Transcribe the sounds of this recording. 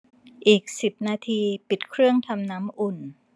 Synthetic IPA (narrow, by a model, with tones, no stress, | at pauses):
ʔiː˨˩k̚si˨˩p̚naː˧t̪ʰiː˧pi˨˩t̪̚kʰɾɯ˥˩əŋt̪ʰa˧mnaː˦˥mʔu˨˩n